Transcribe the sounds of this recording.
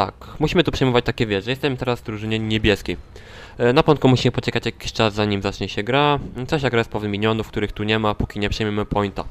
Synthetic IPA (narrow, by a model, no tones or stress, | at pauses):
t̪a̰kmuɕimɘt̪upʂɛjmɔvat͡ɕt̪akʲɛvʲjɛʐjɛst̪ɛmt̪ɛɾazd̪ɾuʐɘɲɛɲɛbʲjɛskʲej | napɔɔ̃nt̪̚kumuɕimɘpɔt͡ɕɛkat͡ɕjakʲi̥ɕt͡ʂazːaɲimzat͡ʂɲɛɕɛɡɾasaɕ̬aɡɾaspɛvnɘmʲilʲjɔnufkt̪uɾɘxt̪uɲɛmapukʲiɲɛpʂɛjmʲɛmɘpɔjnt̪a̰